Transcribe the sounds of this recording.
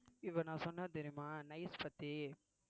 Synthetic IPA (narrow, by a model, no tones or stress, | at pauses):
ɪʋːɐnãːsɔnːɐd̪ɪɾɪmãːnɐɪspɐt̪ːe